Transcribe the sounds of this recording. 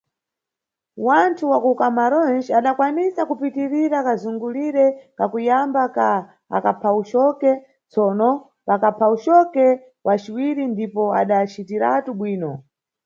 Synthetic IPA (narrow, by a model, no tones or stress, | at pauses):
wantʰuwakukamaɾɔnd͡ʒaɗakwanisakupitiɾiɾakazuŋɡuliɾɛkakujambaka | a̰kapʰaut͡ʃɔkɛ | t͡sɔnɔ | pakapʰaut͡ʃɔkɛ | wʔat͡ʃiwiɾindipɔaɗat͡ʃitiɾa̰tuɓwiːnɔ